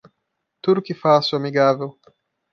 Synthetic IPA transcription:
t̪uɾkifasuamiɡavew

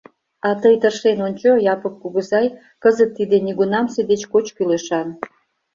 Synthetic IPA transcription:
ɑt̪əjt̪ərʃenonʲt͡ɕojɑpəkːuɣəzɑj | kəzət̪ːid̪eniɣunɑmsed̪et͡ɕkot͡ɕkyleʃɑn

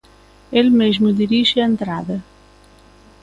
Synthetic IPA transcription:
elmeʒmud̪iɾiʒɪɐent̪ɾaðɐ

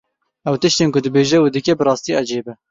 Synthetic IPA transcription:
ɛwt̪ɨʃt̪eːnkʊd̪ɨbeːʒɛwed̪ɨkʲɛbɨɾɑːst̪iːʔɑd͡ʒeːbɛ

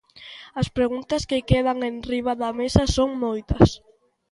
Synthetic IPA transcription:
ɐspɾeɣunt̪ɐskekeð̞aŋenriβaðɐmesɐsoŋmojt̪ɐs

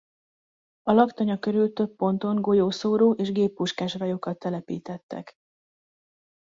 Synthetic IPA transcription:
ɒlɒkt̪ɒɲɒkø̞ɾylt̪ø̞pːo̞nt̪o̞ŋɡo̞joːsoːɾoːʔeːʒɡeːpːuʃkaːʃrajokɒt̪ːɛlɛpḭːt̪ɛt̪ːɛ̰k

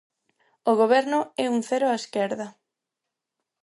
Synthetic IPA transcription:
oɣoβ̞ɛɾnʊɛuŋθɛɾoaeskɛɾðɐ

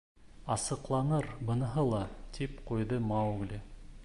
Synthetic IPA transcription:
ɑsɤ̆qlˠɑnɤɾbɤ̆nɤ̆ɦɤlˠɑt̪ʰipqujðɤmawɡlʲɪ

